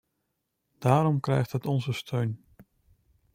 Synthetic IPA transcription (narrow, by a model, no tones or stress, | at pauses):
d̥aːɾɔmkrɛjxtɦətɔnzəstʰøɥn